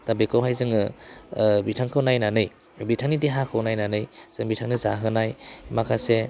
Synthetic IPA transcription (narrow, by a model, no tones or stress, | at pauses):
tabekʰawɦajzɯŋɯ | bitʰaŋkʰɯwnajnanɯj | bitʰaŋnideɦakʰɯwnajnanɯjz̥ɯŋbitʰaŋnɯzaɦɯnajmakʰase